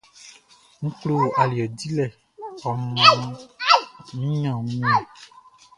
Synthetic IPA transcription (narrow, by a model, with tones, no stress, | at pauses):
ŋ̩̃˦k͡plo˦˨a˨li˨ɔ˨di˦lɛ˦˨ | ɔ˨mɔ̃˨˦ | nĩ˦ɲã˦˨ŋũ˦ɲɛ̃˨